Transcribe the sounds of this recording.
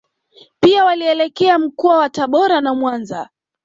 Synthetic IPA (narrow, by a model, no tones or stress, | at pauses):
piawaliɛlɛkɛam̩kɔawataɓɔɾanamwanza